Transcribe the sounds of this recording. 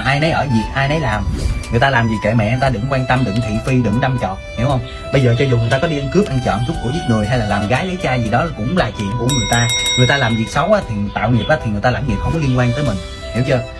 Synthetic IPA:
ʔaː˧jnə˨˦jʔəː˧˩zi˨˩ək̚ʔaː˧jnə˨˦jlaː˨˩mŋɨ˨˩əjt̪aː˧laː˨˩mzi˨˩kḛɛ̰˧˨mɛ̰˧˨ʔɛ˧nt̪aː˧ɗɨ̰˧˩ŋkwaː˧nt̪ə˧mɗɨ̰˧˨ŋt̪ʰḭ˧˨fi˧ɗɨ̰˧˨ŋɗa˧mt͡ɕɔ̰˧˨nni˨˦whə˧wŋ͡m | ɓə˧jzəː˨˩t͡ɕɔ˧zu˨˩ŋ˨˩t̪aː˧kɔ˨˦ɗi˧ʔə˧nkɨ˦˥p̚ʔa˧ŋ̟t͡ɕɔ̰˧˨nzʊ˦˥k͡p̚ku˧˩zi˦˥t̚ŋɨ˨˩əjɦa˧jlaː˨˩laː˨˩mɣaː˨˦jli˨˦˥t͡ɕaː˧zi˨˩ɗɔ˨˦˨kʊ̰˧˥ŋ͡mlaː˨˩t͡ɕḭ˧˨ənku˧˩əŋɨ˨˩əjt̪aː˧ŋɨ˨˩əjt̪aː˧laː˨˩mzi˨˩k̚sə˨˦wʔaː˨˦˥t̪ʰi˨˩t̪a̰ː˧˨wŋi˨˩p̚ʔaː˨t̪ʰi˨˩ŋɨ˨˩əjt̪a˧aː˧˩mŋi˨˩p̚hə˧ŋ͡mkɔ˨˦li˧ənkwaː˧nt̪əː˨˦jmï˨˩ŋ̟ | hi˧˩˦wt͡ɕəː˧

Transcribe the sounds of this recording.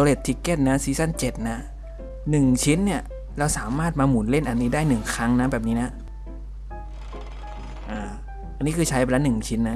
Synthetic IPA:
oː˧le˨˩t̪ʰːi˧˩ke˧˩t̪̚na˦˥siː˧˦sa˥˩nt͡ɕe˨˩t̪̚na˦˥ | nɯ˨˩ŋt͡ɕʰi˦˥nːi˥˩ɐ | ɾa˧wsaː˩˦maː˥˩t̪̚maː˧mu˩˦nle˥˩nʔa˧nːiː˦˥daː˥˩jnɯ˨˩ŋkʰa˦˥ŋna˦˥bɛː˨˩p̚niː˦˥na˦˥ | ʔaː˧˩ | ʔa˧nːi˦˥kʰɯː˧t͡ɕʰa˦˥jɛ˧laː˧˥nɯ˨˩ŋt͡ɕʰi˦˥nːa˦˥

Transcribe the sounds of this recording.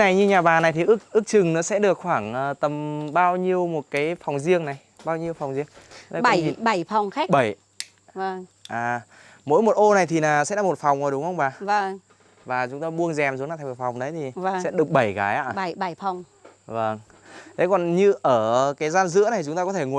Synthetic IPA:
na˨˩jɲɨ˧ɲaː˨˩ɓaː˨˩na˨˩jt̪ʰi˨˩ʔɨ˦˥k̚ʔɨ˦˥k̚t͡ɕɨ˨˩ŋnɔ̰˨˦sɛ̰˧˥ɗɨ˨˩ək̚xwaː˧˩ŋʔəː˨˩t̪ə˨˩mɓaː˧wɲi˧əwmo˨˩t̚kaː˨˦jfɔ˨˩wŋ͡mzi˧əŋna˨˩j | ɓaː˧wɲi˧əwfa˨˩wŋ͡mzi˧əŋ˦n˧˩˧fa˨˩wŋ͡mxa˦˥ɓə˧˩j | və˧˩ŋʔaː˨˩ | mo̰˧˥jmo˨˩t̚ʔo˧na˨˩jt̪ʰi˨˩naː˨˩sɛ̰˧˥la˧˩mo˨˩t̚fa˨˩wŋ͡mʔo˨˩ɗʊ˨˦ŋ͡mhə˧wŋ͡mɓaː˨˩və˧ŋ | vaː˨˩t͡ɕʊ˨˦ŋ͡mt̪oː˧ɓu˧ənzɛ˨˩msznaː˧t̪ʰjmo˨˩fa˨˩wŋ͡mɗə˨˦jt̪ʰi˨˩˧sɛ̰˧˥ɗɨ˨˩ək̚ɓə˧˩jɣa̰ː˨˦jʔa̰ː˧˩˧fa˨˩wŋ͡m | və˧˩ŋ | t̪ʰe˨˦kɔ˨˩nɲɨ˧ʔəː˧˩kaː˨˦jzaː˧nzɨ̰˧˥na˨˩˨t͡ɕʊ˨˦ŋ͡mt̪aː˧kɔ˨˦t̪ʰe˧˩ŋu˨˩˨

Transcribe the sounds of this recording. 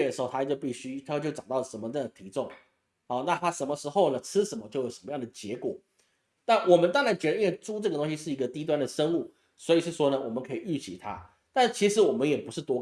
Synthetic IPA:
d̪ə˩ʂɻ̩˧˥xo˥˧ʊt̪ʰa˥t͡ɕjo˥˧ʊpi˥˩ɕy˥t̪ʰa˥o˥˧t͡ɕjʊʈ͡ʂɑ˨˩t̪ɑ˥˩ə˩ʂə˧˥mə˧ɤ˥˩ə˨˩t̪ʰi˧˥ʈ͡ʂʊ˥˩ŋ | ɔ˥˧˩na˥˨t̪ʰa˥ʂə˧˥nmə˧ʂɻ̩˧˥xo˥˧ʊnə˩t͡sʰɻ̩˥ʂə˧˥nmə˧˦t͡ɕjo˥˩ʊjo˨˩ʊʂə˧˦mə˧jɑ˥˩ŋd̪ə˩t͡ɕjɛ˧˥kwɔ̰˨˩˦ | na˥˩nwɔ˨˩mə˦nt̪ɑ˥ŋɻa˧˥nt͡ɕjɛ˧˥˩ə˨˥wɪʈ͡ʂu˥ʈ͡ʂɤ˥˩ɡə˩t̪o˥ŋɕi˧ʂɻ̩˥˩i˧˥ɡə˧t̪i˥t̪wa˥nd̪ə˨ʂə˥ŋu˥˩ | swɔ˧˥i˨˩ʂɻ̩˥˩ʂwɔ˥nə˨wɔ˨˩mə˦kʰɤ˧˥i˨˩y˥˩t͡ɕʰḭ˨˩t̪ʰa̰˥ | t̪a˥nʂ̩˥˩t͡ɕʰi˧˥ʂɻ̩˧˥wɔ˨˩mə˦njɛ˨˩pu˧˥ʂɻ̩˥˩t̪wɔ˥

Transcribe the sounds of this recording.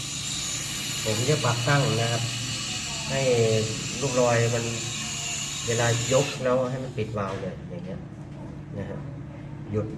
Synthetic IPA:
ka˧˩kʰi˧˦˩t͡ɕa˧˩paː˨˩k̚t̪a˥˩ŋ˨na˧kʰa˧p̚ | ha˥˩jluː˥˩klɔː˧jma˧n | weː˧laː˧jo˦˥k̚nɛ˧˥wa˧ɦa˥˩˨jma˧˥˨npi˨˩t̪̚waː˧wdɯ˧˩jaː˨˩ŋːni˦˥ɐ˨ | na˧kʰa˧ | ju˧˥t̪̚

